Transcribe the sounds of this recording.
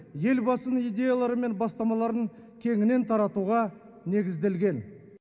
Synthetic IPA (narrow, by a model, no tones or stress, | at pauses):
je̞lbɑsənijd̪ʲe̞jalˠɑɾəme̞nbɑst̪ɑmɑlˠɑɾəɴ | kʲʰe̞ŋɪne̞nt̪ʰɑɾɑt̪uʁɑ | ne̞ɡʲɪzd̪e̞lɡʲe̞n